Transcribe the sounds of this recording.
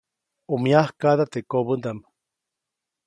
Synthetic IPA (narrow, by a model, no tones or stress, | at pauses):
omiahkad̪at̪ekoβənd̪am